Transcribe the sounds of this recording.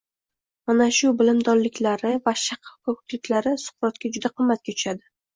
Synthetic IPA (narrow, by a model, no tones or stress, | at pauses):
manaʃʊbɪlɪmd̪ɒnlɪkʲʰlaɾɪvaʃaqʰɑfkɒkʰʊ̥t̪lɪkʲlaɾɪsʊ̥qɾɒt̪kʲad͡ʒʊd̪aqʰɨmːat̪̚kʲat̪ʰʊ̥ʃad̪ɪ